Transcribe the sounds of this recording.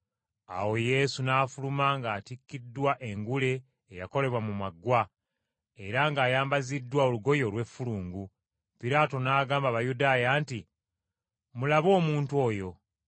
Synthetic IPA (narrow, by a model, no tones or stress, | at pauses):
a̰wo̞je̞sunaːfulumaŋɡaːtikːidːwaʔe̞ŋɡule̞ː | ja̰ko̞le̞βwamumaɡːwa | e̞ɾaŋɡaːjaːmbazidːwaoluɡo̞jo̞lwe̞fuluːŋɡu | piɾaːto̞naːɡaːmbaβajudaːjaːnti | mulaβo̞ːmuːntwo̞ːjo̞